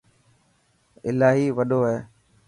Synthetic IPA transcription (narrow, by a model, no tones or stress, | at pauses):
ɪlaːɦiːʋəɗoːɦeː